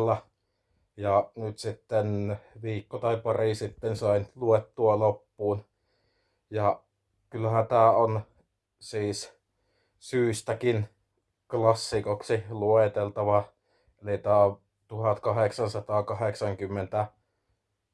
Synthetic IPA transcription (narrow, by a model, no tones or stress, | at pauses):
lːɑ | jɑnyt̪sit̪ːenʋiːkːot̪ɑipɑrisit̪ːensɑˑinluet̪ːuɑlopːuːn | jɑ | kylːhæt̪æːon | siːs | syːst̪ækin | klɑsːikoksiluet̪elt̪ɑʋɑ | elit̪æː | t̪uhɑt̪kɑheksɑnsɑt̪ɑːkɑheksɑŋkymːent̪æ